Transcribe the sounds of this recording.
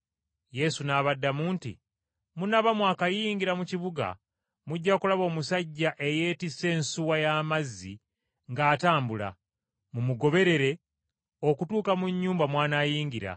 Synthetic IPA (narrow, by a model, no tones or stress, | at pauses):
je̞sunaβadːamuːntḭ | munaβamwaːkajiːŋɡiɾamuciβuɡa̰ | muɟːakulaβo̞ːmusaɟːaʔe̞je̞ːtise̞ːnsuwajamazːḭ | ŋɡaːtaːmbula̰ | mumuɡo̞βe̞ɾe̞ɾe̞ | o̞kutuːkamuɲːuːmbamwaːnaːjiːŋɡiɾa̰